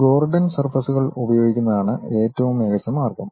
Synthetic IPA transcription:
ɡo̞ːrɖɐnsɐrfɐsuɣɐɭubɐjo̞ːɡikʲːunːɐðaːɳɨe̞ːtːɐʋumeɣɐt͡ɕːɐmaːrɡɐm

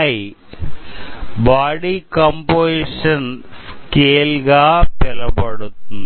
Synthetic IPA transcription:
i | baːɽikɐmboiʂɐnkeːlɣaːpɛlɐpɐɽut̪ːunː

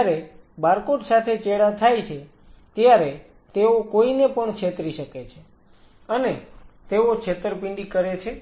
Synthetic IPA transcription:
ɾe | baɾkoʈsat̪ʰet͡ʃeɽat̪ʰajt͡ʃʰe | t̪jaɾe | t̪eokoinepəɳkʃʰet̪ɾiʃəket͡ʃʰe | ənet̪eot͡ʃʰet̪əɾpɪ̃ɳɖikəɾet͡ʃʰe

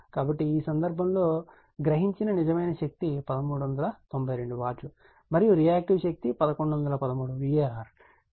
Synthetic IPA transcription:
kaːbɐʈːiiːsɐnd̪ɐɾbʱɐmlo̞ː | ɡɾɐɦiɲt͡ʃinɐnizɐmɐjnɐʃɐk̚t̪ipɐd̪ɐmuːɽuʋɐnd̪ɐlɐt̪o̞mbʱɐjɾe̞ɳɖuʋaːt͡ʃu | mɐɾijuɾijaːk̚ʈiʋʃɐk̚t̪ipɐd̪ɐkoɳɖuʋɐnd̪ɐlɐpɐd̪ɐmuːɽuʋijaːaːɾ

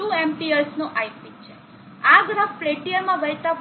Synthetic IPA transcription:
uemʈiəɾsnũʔajpit͡ʃʰe | aɡ̪ɾəffleʈiəɾmãʋəjt̪a

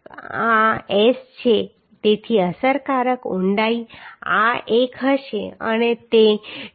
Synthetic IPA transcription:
aest͡ɕʰe | t̪et̪ʰiəsəɾkaɾəkuɳɖaiaʔekʰəʃeə̰net̪e

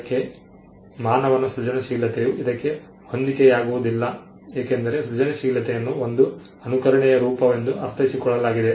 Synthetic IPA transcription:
kːe̞ | maːnɐʋɐnːɐsɾud͡ʒɐnɐʃiːlɐt̪ejuʔid̪ɐkːe̞ | ho̞nd̪ikɛjaːɡuʋud̪ilːɐ | eːkend̪ɐɾe̞sɾud͡ʒɐnɐʃiːlɐt̪ɛjɐnːuond̪u | ɐnukɐɾɐɳɛjɐɾuːpɐʋend̪uʔɐɾt̪ʰɐɦisikɔɭːɐlaːɡid̪e

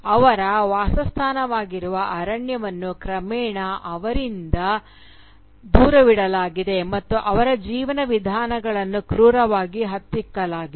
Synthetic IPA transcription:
ɐʋɐɾɐʋaːsɐst̪ʰaːnɐʋaːɡiɾuʋɐʔɐɾɐɳjɐʋɐnːukɾɐmɛːɳɐʔɐʋɐɾind̪ɐ | d̪uːɾɐʋiɽɐlaːɡid̪e̞mɐt̪ːuʔɐʋɐɾɐd͡ʒiːʋɐnɐʋid̪ʱaːnɐɡɐɭɐnːukɾuːɾɐʋaːɡiɦɐt̪ːikːɐlaːɡi

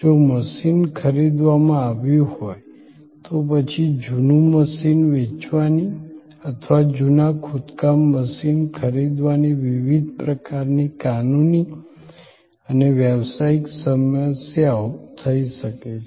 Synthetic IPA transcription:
d͡ʒoməʃinkʰəɾid̪ʋamãaʋjũhoj | t̪opət͡ʃʰid͡ʒunuməsinʋet͡ʃʋani | ət̪ʰʋad͡ʒunakʰut̪kamːəsinkʰəɾid̪ʋaniʋiʋid̪̚ʱpɾəkaɾnikanuni | əneʋjəʋsaiksəməsjaot̪ʰəiʃəkee

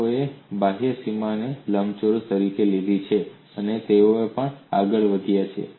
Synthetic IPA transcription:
oebaɦəsimaneləmt͡ʃoɾt̪əɾikelid̪ʱit͡ʃʰe | ənet̪eoepəɳa̰ɡəɭʋəd̪ʱijat͡ʃʰḛ

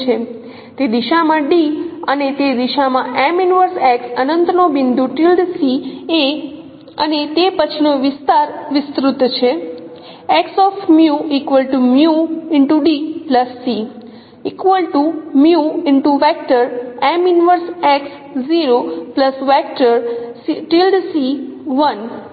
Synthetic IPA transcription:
t͡ʃʰe | t̪ed̪iʃamãɖiənet̪ed̪iʃamãʔɛminʋəɾsɛksənənt̪ənobind̪ʱuʈilɖsie | ə̰net̪epət͡ʃʰinoʋɪst̪aɾʋɪst̪ɾut̪t͡ʃʰe | ɛksɔfʰmjuikʋəlʈumjuɪɳʈuɖipləsːi | ikʋəlʈumjuɪɳʈuʋɛk̚ʈəɾɛminʋəɾsɛks | ziɾopləsʋɛk̚ʈəɾʈilɖsiʋən

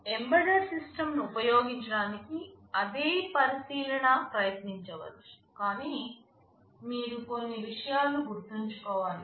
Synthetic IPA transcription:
e̞mbɐɖɐɾsisʈɐmnuːpɐjoːɡiɲt͡ʃɐɽaːniki | ɐd̪eːpɐɾisiːlɐɳɐpɾɐjɐt̪niɲt͡ʃɐʋɐ̰l | kaːniː | miːɾuko̞nːiʋiʂɐjaːlɐluɡuɾt̪iɲt͡ʃu̥kɔːʋaːli

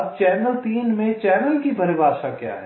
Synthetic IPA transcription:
ɐb̚t͡ʃɛːnəlt̪iːnmẽt͡ʃɛːnəlkibʱɐɾɪbaːʃakja̰ːɦɛ

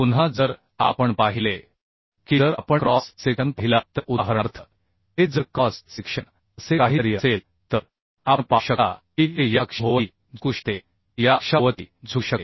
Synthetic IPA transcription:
punɦad͡zəɾ | a̰pəɳpaɦile | kid͡zəɾa̰pəɳkɾɔsseɡənpəɦilat̪əɾʔuɦəɾaɾt̪ʰə | ɦed͡zəkːɔssikʂəɳ | əsekaɦiɾjəsel | t̪əɾ | aɳpaɕəka̰kiijakʂɦoʋə | d͡zuʂt̪e | jakʂaʋət̪ḭd͡zʱuɕə

